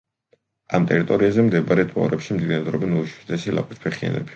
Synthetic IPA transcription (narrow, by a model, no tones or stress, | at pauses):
amt̪ʼɛɾit̪ʼɔɾiazɛmd̪ɛbaɾɛt̪ʰʼɔ̰ɾɛpʃimd̪id̪ɛd̪ɾɔbɛnɔuʃi̥d̪ɛsila̰pʼit̪̚ʰpʰɛχia̰nɛ̰bi̥